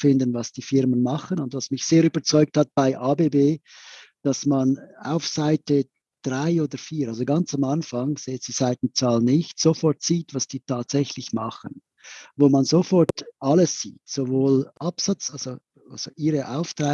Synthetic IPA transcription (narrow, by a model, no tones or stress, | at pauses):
fɪndənvasd̥iːfɪʁmənmɑχənʊndvasmɪçseːɾyːbɐt͡sɔʏk̚that̚b̥aɪʔaːbeːbeːd̥asmana̰ʊfsaɪtə | d̥ʁaɪoːdəfiːʁʔalzoɡant͡samanfaŋseːtz̥iːz̥aɪt̚n̩t͡saːlnɪçtsofɔtsiːtvasd̥iːtʰaːtsɛçlɪçmɑχən | voːmanzofɔɾtʔaləsːiːtsovoːlʔapsat͡salz̥o | alz̥oʔiːɾəʔaʊftʁa